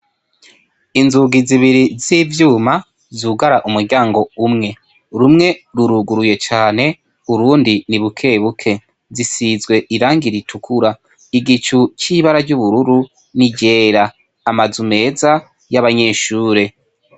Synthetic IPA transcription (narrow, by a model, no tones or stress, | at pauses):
inzuɡiziβiɾiziːvjuːma | zuɡaɾaʔumuɾɟaːŋɡo̞umŋe̞ | ɾumŋe̞ɾuɾuɡuɾuje̞t͡ʃaːne̞ | uɾuːndiniβukʰe̞ːβukʰe̞ | zisizɡwe̞ʔiɾaːŋɡiɾitʰukʰuɾa | iɡit͡ʃut͡ʃiːβaɾaɾɟuβuɾuɾu | niɟe̞ːɾaː | mazume̞ːza | jaβaɲe̞ʃuːɾe̞